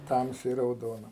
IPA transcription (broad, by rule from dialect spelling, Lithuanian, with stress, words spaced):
ˈtɐmʲsʲɛɪ rɐʊˈdoːnɐ